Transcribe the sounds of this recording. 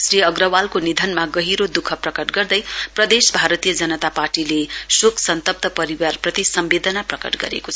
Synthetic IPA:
sriʌɡrʌwalkonid̪ʱʌnmaɡʌɦiɾod̪ukʰʌprʌkʌʈɡʌrd̪ʌjprʌd̪esbʱaɾʌt̪ijʌd͡zʌnʌt̪aparʈilesokʰsʌnt̪ʌp̚t̪ʌpʌɾiwarprʌt̪isʌmbed̪ʌnaprʌkʌ̰ʈɡʌ̰ɾḛkot͡sʰ

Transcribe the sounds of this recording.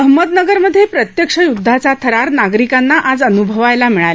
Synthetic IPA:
əɦməd̪nəɡəɾməd̪ʱːjepɾət̪jəkʂəjud̪ʱːat͡satt̪ʰəɾaɾnaɡɾikanːaʔad͡zənubʱəʋajlamiɭal

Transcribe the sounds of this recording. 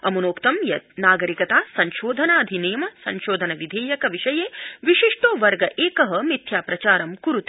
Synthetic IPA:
ɐmunoːkt̪ɐmjɐt̪̚naːɡɐɾikɐt̪aːsɐɲʃoːd̪ʱɐnaːɐd̪ʱineːjɐmɐsɐ̰ɲʃoːd̪ʱɐnɐʋid̪ʱeːjɐkɐʋiʃɐjeːʋiʃiʂʈoːʋɐɾɡɐʔeːkɐɦɐmit̪ʰjaːpɾɐt͡ʃaːɾɐmkuɾut̪i̥

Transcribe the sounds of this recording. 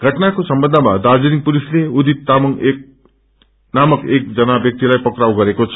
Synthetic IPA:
ɡʱʌʈnakosʌmbʌnd̪ʱʌmad̪ad͡zuɾiŋpulisleud̪it̪̚t̪amʌŋek | namʌkek̚d͡zʌnabjʌk̚t̪ilajpʌkrawɡʌɾekot͡sʰ

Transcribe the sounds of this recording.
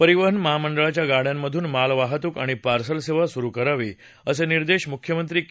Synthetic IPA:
pəɾiʋəɦənməɦaməɳɖəɭat͡ɕjaɡaɽjamːəd̪ʱuːnmalʋaɦət̪uːkaɽ̃ipaɾsəlseʋasuɾukəɾaʋiː | əseniɾd̪eɕmukʰjəmənt̪ɾiː

